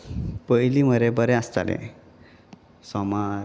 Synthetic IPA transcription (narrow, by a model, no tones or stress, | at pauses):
pəjliməɾebəɾeast̪a̰lḛ | sɔma